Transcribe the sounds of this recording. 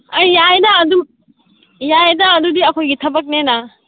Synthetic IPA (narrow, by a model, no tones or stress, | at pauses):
ɐjajdaːdum | jajdaːdudiɐkʰojɡitʰɐbɐk̚nena